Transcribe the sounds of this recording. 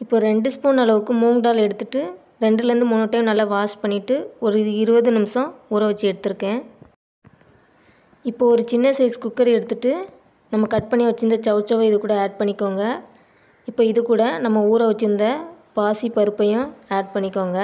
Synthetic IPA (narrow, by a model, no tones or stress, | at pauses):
ɪpːoːɾɛɳɖɯspoːnɐlɐʋɯkːɯmuːŋɡɖaːlɛɽɯt̪ːɯʈːɯ | ɾɛɳɖɯlɾɯnd̪ɯmʊnːɔʈːɐjʊ̃nɐlːɐʋaːspɐɳːɪʈːɯɔɾɯɪɾɯʋɐðɯnɪmsɐ̃uːɾɐʋɐt͡ʃːɯɛɽɯt̪ːɯɾɯkːẽː | ɪpːoːɔɾɯt͡ʃɪnːɐsɐɪskʊkːɐɾɛɽɯt̪ːɯʈːɯ | nɐmːɐkɐʈ̚pɐɳːiʋɐt͡ʃːɯnd̪ɐt͡ʃɐʋt͡ʃɐʋɐɪðɯkuːɽɐaːɖ̚pɐɳːɪkːoːŋɡɐ | ɪpːoːɪðɯkuːɽɐnɐmːɐuːɾɐʋɐt͡ʃːɯɾnd̪ɐ | paːsipɐɾɯpːɐjʊ̃aːɖ̚pɐɳːɪkːoːŋɡɐ